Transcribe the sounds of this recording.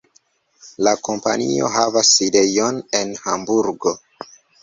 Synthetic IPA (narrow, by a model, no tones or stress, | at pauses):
lako̞mpa̰nio̞̰ɦavaside̞jo̞ne̞nhambuɾɡo̞